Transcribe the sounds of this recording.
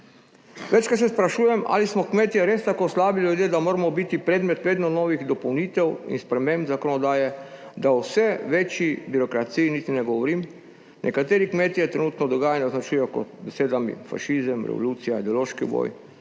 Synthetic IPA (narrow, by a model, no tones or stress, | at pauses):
ʋɛt͡ʃkat̪sɛspɾaʃuːjɛmʔa̰ːlismɔkmeːt̪ijɛɾeːst̪akoslaːbilʲjud̪jeːd̪amoːɾamɔbit̪ipɾeːd̪mɛt̪ʋeːd̪nɔnɔːʋiɣd̪ɔpɔwniːt̪ɛwḭnspɾɛmẽmbzakɔnɔd̪aːjɛ | d̪awsɛʋeːt͡ʃjibiɾɔkɾat̪sijinit̪inɛɡɔʋɔɾiːm | nʔɛkat̪eːɾikmeːt̪ijɛt̪ɾɛnuːt̪nɔd̪ɔɡaːjaniznat͡ʃujɛkɔ̰t̪bɛseːd̪amḭfa̰ʃizəmɾɛ̰ʋɔ̰luːt̪sijaid̪ɛoloːʃkiṵbo̰ːj